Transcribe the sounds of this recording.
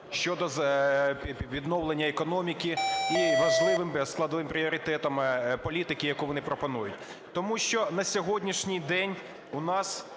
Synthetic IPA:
ʃt͡ʃɔd̪ɔzʲ | ʋʲid̪nɔwlˠenʲːɐekɔnɔmʲikʲiiʋɐʒlˠɪʋɪmsklˠɐd̪ɔʋɪmpɾʲiɔɾʲɪt̪ɛt̪ɐmpɔlʲit̪ɪkɪjɐkuʋɔnɪpɾɔpɔnujʊtʲ | t̪ɔmuʃt͡ʃɔnɐsʲɔɦɔdʲnʲiʃnʲijd̪ɛnʲ | unɑs

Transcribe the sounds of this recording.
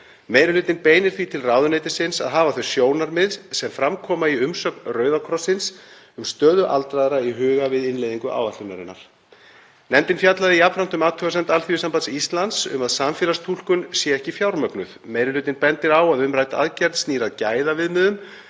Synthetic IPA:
mejɾɪlʏːt̪ɪnpeːjnɪɾ̥θvit̪ʰɪlrawðʏnejt̪ɪsɪnsa̰ðɦaːvaθœɥsjoːwnaɾmɪðsɛmfɾamkʰɔːmaiʏmsœknrœːɥðakʰɾɔsɪns | ʏmst̪œːðʏʔa̰lt̪ɾaðɾaiɦʏːɣavɪðɪnlejðiŋkʏʔa̰ːwvatlɪnaɾɪ̰nːa̰ɾ̥ | nɛmt̪ɪnfjat̪laðɪiapɾant̪ʏmaːt̪ʰœɣasɛnt̪alθiʏsampat̪sist̪lant̪sʏ̰maðsamfjɛːlast̪ʰul̥kʏnsjɛɛhcɪfjawɾmœknʏðmejɾʏlʏːt̪ɪnpɛnt̪ɪɾawaðʏmɾaːjt̪aa̰ðcɛɾt̪st̪niːɾaðcaːjðavɪðmɪðʏm

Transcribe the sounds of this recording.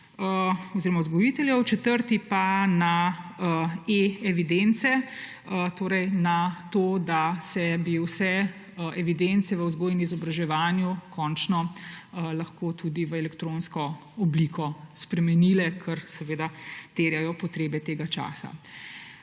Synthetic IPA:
əɔziːɾɔmauzɡɔjiːt̪ɛljɛwt͡ʃɛt̪əɾt̪ipana | eɛʋid̪ent̪sɛ | t̪oːɾɛjnat̪oːd̪asɛbiwsɛ | ɛʋid̪ent̪sɛʋəwzɡoːjnizɔbɾaʒɛʋaːnjukʰɔnt͡ʃnɔ | lɐxkot̪ud̪iʋəɛlɛkt̪ɾõnskɔ | ɔbliːkʰɔspɾɛmɛnilɛkʰəɾsɛʋeːd̪at̪eːɾjajɔpɔt̪ɾeːbɛt̪eːɡat͡ʃa̰ːsa̰

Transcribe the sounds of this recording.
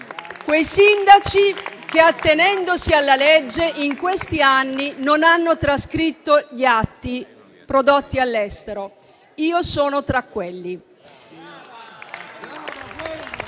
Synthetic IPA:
kwejsind̪at͡ʃikeat̪ːenɛnd̪osialːaled͡ʒːeʔiŋkwest̪ianːinonanːot̪ɾaskɾit̪ːoʎiat̪ːi | pɾod̪ot̪ːialːɛst̪eɾo | iːosɔːnot̪ɾakːwelːi

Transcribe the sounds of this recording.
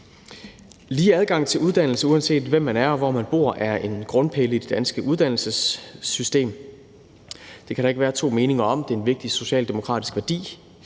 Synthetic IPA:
liːæðˠɡ̥ɑ̈ŋ̰t͡sʰe̝luð̞ˠd̥æn̰l̩səuænse̝̰ːd̥ʋem̰ːænæɐɒʋɒmænb̥o̝ɐ̰ʔæɐe̝nɡ̥ʁɔ̽npʰeləid̥e̝d̥ænsɡ̥əʔuð̞ˠd̥ænl̩səsysd̥e̝̰ːm | d̥e̝kʰæɾɑ̈e̝ɡ̥ʋæːɐt͡sʰo̝̰ːme̝ːne̝ŋɐɒ̽md̥e̝æɐenʋe̝ɡ̥̚d̥iso̝ɕɛ̰ːld̥e̝mo̝kʰʁɑ̰̈ːd̥isɡ̥ʋæɐd̥ḭː

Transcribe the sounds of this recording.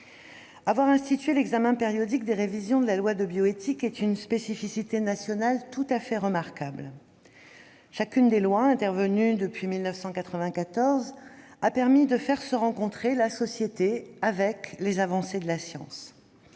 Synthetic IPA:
avwaʁɛ̃st̪it̪ɥelɛɡzamɛ̃peʁjɔd̪ik̚d̪eʁevizjɔ̃d̪əlalwad̪əbjɔet̪ikɛt̪ynspesifisit̪enasjɔnalt̪ut̪afɛʁəmaʁkabl | ʃakʲynd̪elwaɛ̃t̪ɛʁvənyd̪əpɥimilnəfsɑ̃kat̪χəvɛ̃kat̪ɔʁzapɛʁmid̪əfɛʁsəʁɑ̃kɔ̃t̪χelasɔsjet̪eavɛklezavɑ̃sed̪əlasjɑ̰̃s

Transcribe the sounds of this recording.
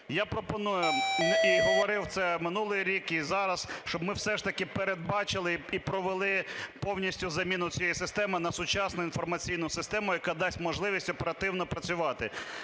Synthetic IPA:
japɾɔpɔnujʊiɦɔʋɔɾɪwt̪sɛmɪnulˠɪjɾʲikizɑɾɐsʃt͡ʃɔbmɪwsɛʃt̪ɐkɪpeɾed̪̚bɑt͡ʃɪlˠɪipɾɔʋelˠɪpɔwnʲisʲtʲʊzɐmʲinʊt͡sʲjejisɪst̪ɛmɪnɐsʊt͡ʃɑsnʊinfɔrmɐt͡sʲijnʊsɪst̪ɛmʊjɐkɑd̪ɑsʲtʲmɔʒlˠɪʋʲisʲtʲɔpeɾɐt̪ɪwnɔpɾɐt͡sʲʊʋɑt̪ɪ

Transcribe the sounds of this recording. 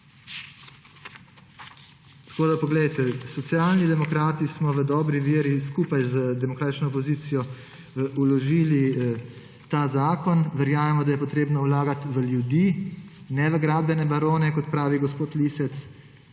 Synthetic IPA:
t̪koːd̪apɔɡlɛjt̪ɛsɔt̪sijaːlnid̪ɛmɔkɾaːt̪ismɔʋəd̪ɔːbɾiʋiːəɾiskuːpajzəd̪ɛmɔkɾaːt̪it͡ʃnɔːpɔziːt̪sijɔ | ulɔʒiːli | t̪azaːkɔnʋɛɾjaːmɛmɔd̪ajɛpɔt̪ɾeːbnɔwlaːɡat̪ʋəljud̪iː | nɛʋəɡɾaːd̪̚bɛnɛbaɾoːnɛkɔt̪pɾaːʋiɡɔspoːt̪lisɛt̪s

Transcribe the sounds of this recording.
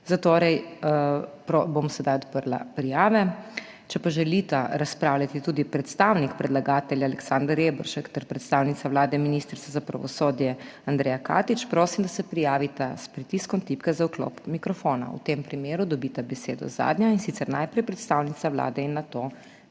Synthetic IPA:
zat̪oːɾɛj | pɾobomsɛd̪ajɔt̪pəɾla̰pɾijaːʋɛ | t͡ʃɛpaʒɛlit̪aɾaspɾaːwlʲat̪it̪ud̪ipɾɛt̪st̪awnikpɾɛd̪laɡaːt̪ɛljaːlɛksand̪aɾebɔɾʃɛkt̪ɛɾpɾɛt̪st̪aːwnit̪saʋlaːd̪ɛminist̪ɾsazapɾa̰ʋɔsoːd̪jɛand̪ɾɛːjaka̰ːt̪it͡ʃpɾoːsimd̪asɛpɾijaːʋit̪aspɾit̪iskɔmt̪ipkazauklo̰ːpmikɾɔfoːna̰ṵt̪empɾimeːɾud̪ɔbit̪abɛseːd̪ɔ̰za̰ːd̪njainsit̪sɛɾnajpɾɛjpɾɛt̪st̪awnit̪saʋla̰ːd̪ɛinːat̪oː

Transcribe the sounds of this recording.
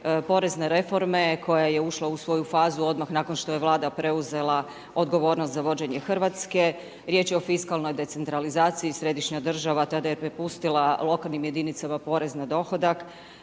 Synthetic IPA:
po̞ɾe̞zne̞ɾe̞fo̞ɾme̞kʰo̞jaje̞uʃlˠausʋo̞jufaːzuo̞d̪maxnaːko̞nʃt̪o̞je̞ʋlˠaːd̪apɾe̞uze̞lˠa | o̞d̪ɡo̞ʋo̞ːɾnost̪zaʋo̞d͡ʑe̞ɲe̞xrʋat̪ske̞ | ɾje̞t͡ɕjeo̞fiskalˠno̞jd̪e̞t̪se̞nt̪ɾalizaːt̪siisɾe̞d̪iʃɲad̪r̩ʒaʋat̪ad̪ajepɾepust̪ilˠalˠo̞kalˠnimje̞d̪init̪samapo̞ɾe̞znad̪o̞xo̞d̪ak

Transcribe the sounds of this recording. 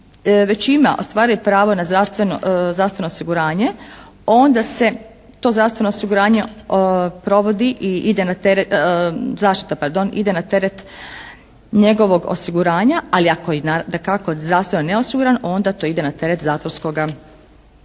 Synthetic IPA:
ʋe̞t͡ɕima̰ʔo̰st̪ʋaːɾujupɾaːʋo̞nazd̪ɾaʋst̪ʋe̞no̰zɾaʋst̪ʋe̞noosiɡuɾaːɲe̞ | o̞nd̪ase̞ | t̪o̞zɾaʋst̪ʋe̞noosiɡuɾaːɲe̞ | pɾo̞ʋo̞d̪iʔiid̪enat̪eɾzaːʃt̪i̥t̪apaɾd̪o̞nḭd̪e̞nat̪e̞ɾet̪ | ɲeɡo̞ʋo̞ɡo̰siɡuɾaːɲaaliakojinad̪akakozd̪ɾaʋst̪ʋenoneo̞siɡuɾanʔo̞nd̪at̪o̞id̪e̞nat̪e̞ɾet̪zaːt̪ʋoɾsko̞ɡa

